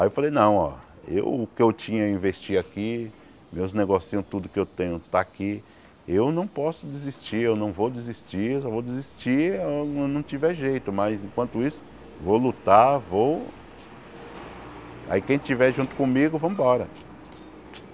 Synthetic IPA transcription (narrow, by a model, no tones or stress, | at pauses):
ajewfalejnɐ̃w̃ɔ̰ | ḛwʊkɪewt͡ʃĩɲɐĩvest͡ʃiaki | mewzneɡosiɐ̃w̃t̪ud̪ʊkɪewt̪ẽɲʊt̪aki | ewnɐ̃w̃pɔsʊd̪ezist͡ʃiɾewnɐ̃w̃vowd̪ɪzist͡ʃiesɔvowd̪ezist͡ʃiewnɐ̃w̃t͡ʃivɛʒejt̪ʊmɐzẽkwɐ̃nt̪ʊisʊ̥ | vowlut̪avow | a̰ikẽj̃t͡ʃivɛʒũt̪ʊ̥kõmiɡʊvɐ̃mʊbɔɾɐ̰